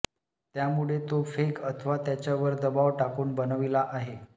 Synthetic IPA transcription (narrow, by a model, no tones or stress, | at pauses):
t̪jamuɭet̪ofekət̪ʰəʋat̪jat͡ɕjaʋəɾd̪əbaʋʈakuːnbənəʋilaʔaɦe